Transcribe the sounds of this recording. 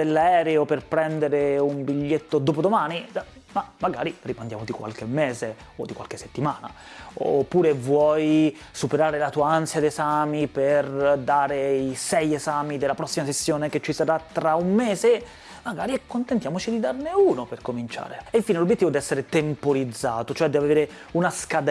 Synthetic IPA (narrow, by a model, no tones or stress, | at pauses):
d̪elːaɛːɾeoperpɾɛnd̪eɾeumbiʎːet̪ːod̪oːp̬od̪omaːni | mamːaɡa̰ːɾiripand̪a̰ːmod̪ikwa̰lk̟emːeːze | od̪ːikwa̰lkesːet̪ːimaːna̰ | o̰pːuːɾevwɔj | supeɾaːɾelat̪uːaansjad̪saːmiperd̪aːɾeisɛjezaːmid̪elːapɾɔsːimasesːjoːneket͡ʃːisaɾat̪ːɾaumːɛːze | maɡaːɾiɛkːont̪ent̪jaːmot͡ʃid̪id̪arneuːnoperkomint͡ʃa̰ːɾeiɱfiːnelobjet̪ːivoɛd̪iɛsːeɾet̪empoɾid̪zːaːt̪ot͡ʃoɛd̪iaveːɾe | unaskad̪